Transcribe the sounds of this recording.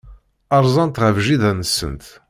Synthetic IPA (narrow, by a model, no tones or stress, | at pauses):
ɑɾˤzˤɑnt̪ʁəvʒiðænəsːə̰nt̪